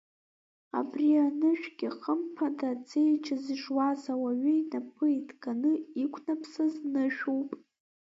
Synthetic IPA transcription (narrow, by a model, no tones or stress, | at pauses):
a̰brianɨʃᶣɡʲɪχəmpʰadad͡zʼejt͡ʃʰazʒwazawaɥʏinapʰɨidɡanɨikʷʰnapʰsɨznɨʃᶣuwpʼ